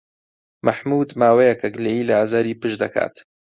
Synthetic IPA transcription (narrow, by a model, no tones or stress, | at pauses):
maħmuːd̪maːwejɛkʰɐkleiːlɐaːzaːɾiːpɨʃd̪ɐkʰa̰ːt̪